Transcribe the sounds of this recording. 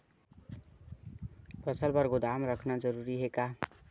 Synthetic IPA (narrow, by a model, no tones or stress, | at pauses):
pət͡ʃʰəlbʌɾɡod̪amɾəkʰnad͡ʒəɾuɾiɦeka